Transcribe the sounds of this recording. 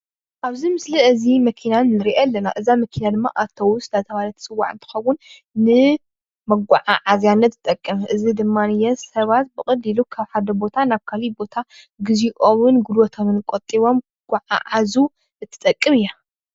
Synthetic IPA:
ʔaβzimɨsliʔɨzimɐkʰinanɨɾiʔalːɐna̰ʔɨzamɐkʰinad̪ɨmːa̰ʔat̪ʰːɐwusɨlat̪ʰɐβalɐt̪ʰt͡sʼɨwːa̰ʕɨnt̪ʰɨ̥xɐwːʊn | nɨ | mɐɡʷaʕa̰ʕazjanːɐt̪ːt̪ʼɐkʼːɨmʔɨzid̪ɨmːanɨjɛsɐβat̪̚bɨχʼɐd̪ilukʰaβħad̪ɐbo̞t̪ʰanaβkʰalibo̞t̪ʰa | ɡɨziʔoβɨnɡulwɔt̪ʰoβɨnkʼot̪ʼːiβo̞m | ɡ̥ʷaʕa̰ʕazu | ɨt̪ʰːɨ̥t̪ʼɐkʼːɨmɨja

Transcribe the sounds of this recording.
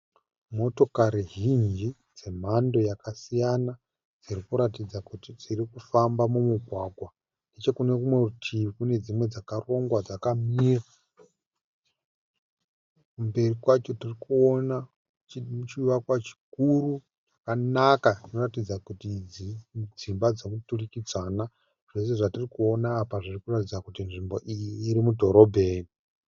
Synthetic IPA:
mo̞to̞kaɾiɦind͡ʒd͡ʒi | d͡ze̞m̤ando̞jakasijana | d͡zirikuɾatid͡zakutid͡zirikufambamumuɡʱwaɡʱwa | nde̞t͡ʃe̞kune̞kumwe̞utʰikune̞d͡zimwe̞d͡zakaro̞ŋɡwad͡zakamira | kumbe̞rikwat͡ʃo̞tirikuo̞na | t͡ʃuʋakwat͡ʃi̥kuru | ʐakanakainoratid͡zakutid͡zid͡zimbad͡zokuturikid͡zana | ʐ̥e̞s̬e̞ʐatirikuo̞naːpaʐirikuratid͡zakutinʐimbo̞ʔijiiːɾimudʱo̞ɾo̞bʱeːni

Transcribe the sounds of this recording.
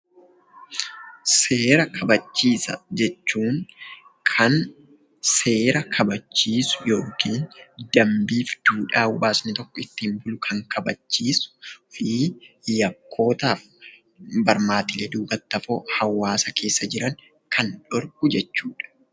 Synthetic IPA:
se̞ːɾɐkʰɐbɐt͡ʃːiːsɐ̰d͡ʒɛt͡ʃːuːŋ | kʰɐn | se̞ːɾɐkʰɐbɐt͡ʃːiːsʊ̥jo̞ːkiːnd̪̥ɐmbiːfd̪̥uːᶑaːbʊbaːsnɪt̪ɔkːɔɪt̪ːɪmbʊlʊkʰɐŋkʰɐbɐt͡ʃːiːsʊ̥fijɐkʰːo̞ːt̪aːf | bɐɾmaːt̪ɪled̪uːbɐt̪ːɐfoːhɐwːaːsɐkʰe̞ːsːɐd͡ʒɪɾɐŋ | kʰɐnᶑɔɾkʊd͡ʒɛt͡ʃːuːᶑɐ̥

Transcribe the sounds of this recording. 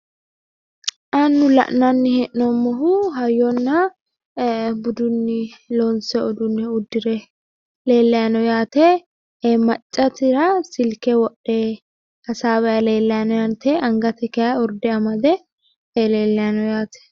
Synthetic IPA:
ʔɐnːʊlɐ̰ʔnɐnːɪhɛʔnɔmːɔɦʊɦɐjːɔnːɐ | bʊd̪ʊnːɪlɔnsɛɔd̪ʊnːɪʊd̪ːɪɾɛ | le̞ːlːɐjɐnɔjaːt̪ɛ | emɐt͡ʃʼːɐt̪ɪɾɐsɪlkɛwɔɗːe | kɐsaːβɐjɐle̞ːlːɐjɐnɔjɐnt̪ɛʔɐŋɡɐt̪ɛkɛjɐɔɾd̪ɛɐmɐd̪ɛ | eleːlːɛjɐnɔjaːt̪ɛ̥

